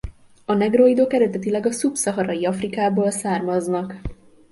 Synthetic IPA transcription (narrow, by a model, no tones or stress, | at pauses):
ɒnɛɡro̞id̪o̞kɛɾɛd̪ɛt̪ilɛɡɒsupsɒɦɒɾɒjiɒfrikaːboːlsaːrmɒznɒk